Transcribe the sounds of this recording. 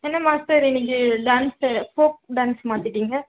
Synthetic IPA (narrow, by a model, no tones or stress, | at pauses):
ɛnːɐmaːsʈɐɾɛnːɪk̬ːɯɖaːnsfoːk̚ɖaːnsmaːt̪ɪʈːiːŋɡɐ